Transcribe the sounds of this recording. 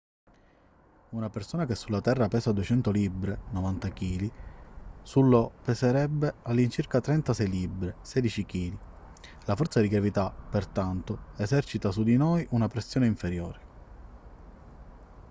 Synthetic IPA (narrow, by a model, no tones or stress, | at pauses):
unapersoːnak̟esːulːat̪ɛrːapɛːsad̪uet͡ʃɛnt̪olibɾenɔvant̪ak̟iːli | sulːopeseɾɛbːealːint͡ʃiɾkat̪ɾɛnt̪asɛjlibːɾesɛːd̪it͡ʃikiːli | lafɔrt̪sad̪iɡɾavit̪apːert̪ant̪oezɛrt͡ʃit̪asud̪inojʔunapɾesːjoːneiɱfeɾjo̰ːɾe